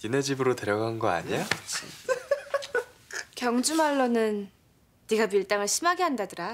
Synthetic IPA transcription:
kined͡ʑibɯɾote̞ɾjʌɡaɯnɡʌa̰ɲejot͡ɕ | kjʌŋd͡ʑumaɭːʌnɯnː | iɡapiɭt͈aŋɯɭɕʰimaɡeɦandadɯɾa

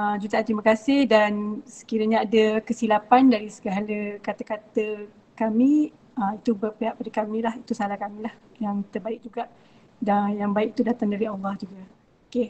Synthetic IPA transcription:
əd͡ʒut̪ant̪əɾimakasɪhdansə̥kiɾaɲaːdəkəsilapandaɾisə̥ɡəɦaləkat̪akat̪ə | kamĩ | əit̪ubərpeɦaʔpadakamĩlahit̪usalahkamĩlah | jaŋt̪ərbaɪk̚d͡ʒuɡaʔ | danjaŋbaɪk̚it̪udat̪aŋdaɾiɑlːɑhd͡ʒuɡa | oke

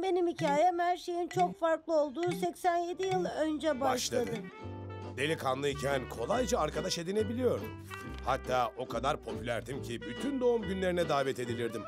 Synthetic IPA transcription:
be̞nimicʰaːjɛmhæɾʃe̞jint͡ʃʰo̞kfaɾklˠɯo̞lˠd̪uːsɛcsænje̞d̪ijɯlˠaø̞nd͡ʒɛbaʃʃlˠad̪ɯmd̪e̞lʲikʰanlˠɯicʰænkʰo̞lˠajd͡ʒaːɾkad̪aʃe̞d̪ine̞bilʲijo̞ɾd̪umhat̪ʰːaːo̞kʰad̪aɾpʰo̞pʰylʲæɾd̪imcʰibyt̪ʰynd̪o̞umɟynlʲe̞ɾinɛd̪aːvɛt̪ʰe̞d̪ilʲiɾd̪im

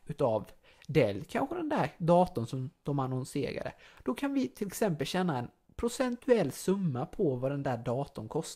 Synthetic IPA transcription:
ʉ̟t̪av | d̪ɛlːkʰanɧəd̪ɛnd̪æɾɖ̪ɑːt̪ʊnsɔmd̪̥ɔmanɔnsḛːɾa̰d̪ə̰d̪̥ɔkʰanvɪt̪ʰɪlɛksɛmpəlɕɛnːaɛn | pʰɾʊsɛnt̪ɵɛlːsɵmːapʰɔvad̪ɛnd̪æːɖɑːt̪ʊnkʰɔst̪

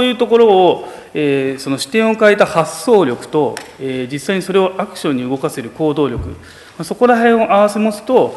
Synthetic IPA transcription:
ojɯ̟ːt̪o̞ko̞ɾo̞ː | eːso̞no̞ɕi̥t̪ẽ̞ɰ̃o̞kaet̪ahasːo̞ːɾʲjokɯ̟̥t̪o̞eːd͡ʑisːaiɲ̟iso̞ɾe̞o̞ʔakɯ̟̥ɕõ̞ɲ̟ːiɯ̟ɡo̞kase̞ɾɯ̟ko̞ːd̪o̞ːɾʲo̞kɯ̟̰ | maso̞ko̞ɾaɦẽ̞ɰ̃oʔaβ̞ase̞mo̞sɨ̥t̪o̞

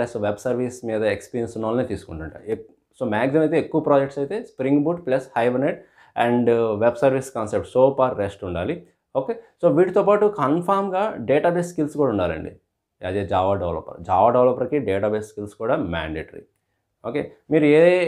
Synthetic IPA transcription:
lesʋebsɐɾʋismiːd̪ɐekspiːɾjensunːɐːlɐneːt̪iːsu̥kuɳʈuɳʈa̰e | soːmaːksimɐjt̪̬eːekːuʋɐpɾaːd͡ʒek̚ʈsɐjt̪e̞ːspɾiŋɡbuʈplɐshɐjʋɐneɖ̚ | ɛɳɖʋebsɐɾʋiskaːnsep̚ʈsoːpɐɾːesʈuɳɖaːli | oːkeːsoːʋiːʈit̪oːpaːʈukɐnpʰaːɾmɡaːɖeːʈaːbesskilskuːɽaːuɳɖaːlɐ̰ɳɖḭ | ɐd̪eːd͡ʒaːʋaːɖɐʋlɐ̰pːɐ̰ɾd͡ʒaːʋaːɖɐʋlɐpːɐɾkiɖeːʈaːbeːsskilskuːɽaːma̰ːɳɖeːʈɐɾḭ | oːkeː | miːɾueː

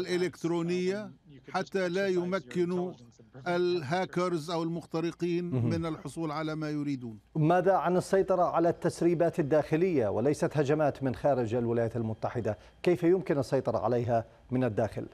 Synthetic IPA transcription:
alʔɪlɪkt̪ɾuːnɪjːaħat̪ːalajʊmakːɪnuʔɪlɦaːkɑɾzʔawɪlmʊxt̪ɑɾɪqiːnmɪnalħʊsˤuːlʕalamajʊɾiːd̪uːnmaːðaʕanɨsˤːɑjt̪ˤɑɾˤɑʕalat̪ːasɾiːbaːt̪ad̪ːaːxɪlɪjːawɪlajsat̪had͡ʒamaːt̪mɪnxaːɾɪd͡ʒalwɪlajaːt̪almʊt̪ːaħɪd̪a | kajfajʊmkɪnɑsˤːɑjt̪ˤɑɾˤɑ̰ʕa̰lajɦa | mɪnad̪ːaːxɪ̰l

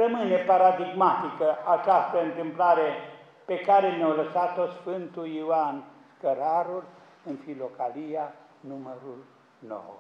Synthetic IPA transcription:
rəmɨne̞paɾad̪iɡmat̪ikəʔat͡ʃast̪əɨnt̪ɨmplaɾe | pekaɾe̞neawləsat̪o̞sfɨnt̪uiwan | kəɾaɾul | ɨnfilo̞kalija | numəɾul | no̰w

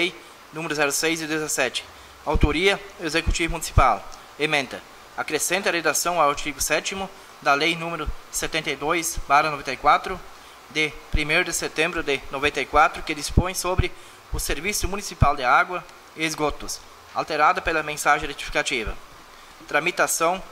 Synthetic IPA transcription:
ej | nũmeɾʊzɛɾʊsejzɪd̪ezasɛt͡ʃɪ̥ | awt̪oɾiɐezekut͡ʃ̪ivʊmunisi̥pal | emẽnt̪ɐ | akɾesẽnt̪ɪɐred̪asɐ̃w̃awaɾt͡ʃiɡʊsɛt̪imʊ | d̪ɐlejnũmeɾʊset̪ẽnt̪ajd̪ojsbarɐnovẽnjkwat̪ɾʊ | d̪ɪpɾimejɾʊd̪ɪset̪ẽmbɾʊd̪ɪnovẽnt̪ɐjkwat̪ɾʊkɪd̪ispõj̃sobɾɪ | ʊseɾvisʊmunisipald̪ɪaɡwɐ | ɪezɡot̪ʊs | a̰lt̪eɾad̪ɐpelɐmẽsaʒẽjret͡ʃ̪i̥fi̥kat͡ʃ̪ivɐ̰ | t̪ɾamit̪asɐ̃w̃

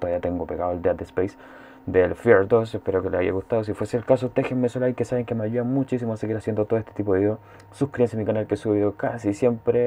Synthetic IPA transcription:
t̪oaβiat̪eŋɡopeɣaðold̪iat̪̚d̪espejs | d̪elfɾieɾd̪osehpeɾokeleaja̰ɣust̪aðosifwe̞selkas̬ot̪exemːesolaikesaβeŋkemeaʝuðamut͡ʃis̬imoaseɣiɾasjend̪ot̪oest̪et̪ipoðeo | suhkɾiensjamikanalkesuβeiðokasisje̞mpɾe

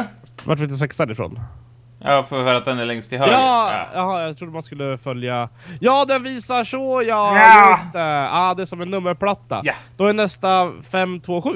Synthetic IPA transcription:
vaʈ̬vɪd̪ɛs̬ɛksaɾɪfɾo̰ːn | jɑfoːvɪhœːɾat̪̚d̪ɛnæɾɭɛŋst̪ʰɪlœɑːjɑhɑːjɑt̪ʰɾud̪əmanskɵlːəfœljajɑːd̪ɛnviːsaʂɔjɑːjst̪əaːd̪ɛæʂɔmɛnːɵmːəɾpʰlat̪ːa̰d̪̥ɔæɳɛst̪afɛmːt̪ʰvoːɧʉ̟ː

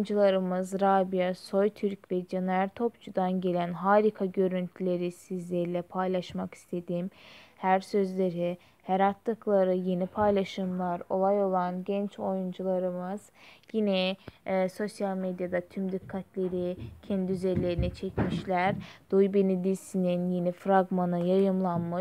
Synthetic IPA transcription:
nd͡ʒulˠaɾɯmɯzɾabijaso̞jt̪ʰyɾcvɛd͡ʒeneɾalʲt̪ʰo̞pt͡ʃʰud̪anɟe̞lʲænɦaːɾikʰaɟø̞ɾynt̪ʰylʲe̞ɾisizlʲeɾilʲɛpʰajlˠaʃmaki̥st̪ʰe̞d̪imhæɾsø̞zlʲe̞ɾi | heɾat̪ʰlˠɯklˠaɾɯje̞nipʰajlˠaʃɯmlˠaɾo̞lˠajo̞lˠanɟɛnt͡ʃʰo̞jund͡ʒulˠaɾɯmɯz̥jinɛ | so̞sjalʲmed̪jad̪at̪ʰymd̪ikʰːat̪ʰlʲe̞ɾicʰɛnd̪iyzeɾlʲe̞ɾinit͡ʃʰɛcmiʃlʲæɾd̪̥ojbinid̪isininjenifɾaɡmanɯjajɯmlˠanmɯʃ

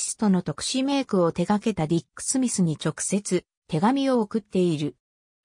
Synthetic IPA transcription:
sɨ̥t̪o̞no̞t̪o̞kɯ̟̥ɕime̞ːkɯ̟o̞t̪e̞ɡake̞t̪adʲikːɯ̥sɨmʲisɨɲ̟it͡ɕo̞kɯ̟̥se̞t͡sɨ | t̪e̞ɡamʲio̞ːkɯ̟t̪ːe̞iɾɯ̟

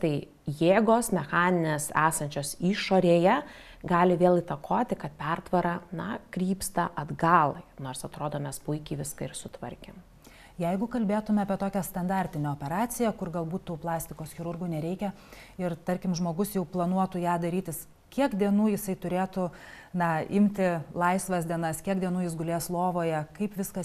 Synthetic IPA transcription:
t̪ɐɪ | jeːɡoːsmʲɛxɑːnʲɪnʲeːsæːsɐnʲt͡ʃʲoːsiːʃoːɾʲeːjɛ | ɡɑːlʲɪʋʲeːlˠɪt̪ɐkʰoːt̪ʲɪkɐt̪̚pʲɛrt̪ʋɐɾɑnɐkɾʲiːpst̪ɐʔɐd̪ɡɑːlˠɐɪnoːrsɐt̪ɾoːd̪oːmʲɛspʊɪkʲɛɪʋʲɪskɐɪɾsʊt̪ʋɐɾʲkʲeːm | jɛɪɡʊkɐlʲbʲeːt̪ʊmʲɛɐːpʲiɛt̪oːkʲɛst̪ɐnd̪ɑɾʲt̪ʲɪnʲɛoːpʲɛɾɑːsʲɪjɛkʊrɡɐlˠbuːt̪t̪ːuːplˠɑːsʲt̪ʲɪkoːsxʲɪɾʊrɡuːnʲɛɾʲɛɪkʲɛ | ɪrt̪ɐɾʲkʲɪmʒmoːɡʊsjɛʊplˠɐnuɔt̪uːjæːd̪ɐɾʲiːt̪ʲɪs | kʲiɛkd̪ʲiɛnuːjɪsɐɪt̪ʊɾʲeːt̪ʊ | nɐɪmʲt̪ʲɪlˠɐɪsʋɐsd̪ʲiɛnɐskʲiɛk̚d̪ʲiɛnuːjɪsɡʊlʲeːslˠoːʋoːjɛkɐɪpʋʲɪskɐ

